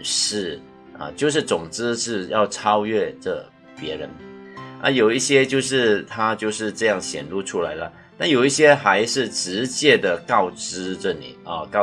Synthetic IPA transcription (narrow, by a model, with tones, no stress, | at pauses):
ʂɻ̩˥˩ | ə̰˧t͡ɕjo˥˧ʊʂ̬ɻ̩˥˩t͡sʊ˨˩ŋt͡s̩˥ʂɻ̩˥˧jɑ˥˩ʊʈ͡ʂʰɑ˥ʊɥɛ˥˩ʈ͡ʂə˥˩ | pjɛ˧˥ɻə˧˦˥nʔə̰˧˦jo˨˩ʊi˥˩ɕjɛ˥t͡ɕjo˥˧ʊʂɻ̩˥˩t̪ʰa˥t͡ɕjo˥˧ʊʂɻ̩˥˧ʈ͡ʂɤ˥˧jɑ˥˩ŋɕjɛ̰˨˩nlu˥˧ʈ͡ʂʰu˥la̰˧˥ɪlə˧ | t̪a˥˩njo˨˩ʊi˥˩ɕjɛ˥xa˧˥ɪʂɻ̩˥˩ʈ͡ʂɻ̩˧˥t͡ɕjɛ˥˩d̪ə˩kɑ˥˩ʊʈ͡ʂɻ̩˥ʈ͡ʂə˥˩nḭ˨˩ə˧˩kɑ˥˩